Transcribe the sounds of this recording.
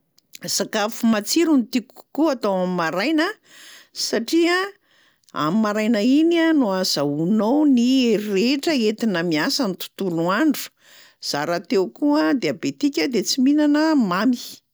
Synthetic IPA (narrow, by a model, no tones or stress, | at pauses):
z̥akafumat͡siɾunit̪iku̥kuat̪awamimaɾajnə | saʈ͡ʂia | a̰mimaɾajnainanuaz̥aunownireʈ͡ʂəet̪inəmiasanit̪u̥t̪uluaɳɖ͡ʐu̥ | z̥aɾat̪ewkuad̪eabet̪ikʲəd̪et͡siminanəmami̥